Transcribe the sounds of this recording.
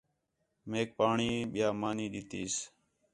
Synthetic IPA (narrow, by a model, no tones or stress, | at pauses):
meːk̚paːɳiːɓɪjaːmaːniːɗɪt̪iːs